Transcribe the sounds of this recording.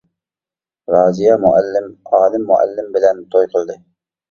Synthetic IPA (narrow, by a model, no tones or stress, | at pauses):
ɾɑːzɪjɑmʊʔalːɪmɑːlɪmːʊʔa̰lːɪmbɪlɛnt̪ʰojqʰɨlˠd̪ɪ